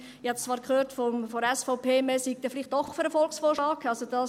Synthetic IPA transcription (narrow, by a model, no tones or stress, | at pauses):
ɪhɑt̪t͡sʋɑːɾkʰχøːɾtfɔmfɔɾɛsfɔʊpʰeːmɛsik̚d̥ɛfliχt̚d̥ɔχfyɾəfɔlksfoːɾʃlɑːkɑlsod̥ɑ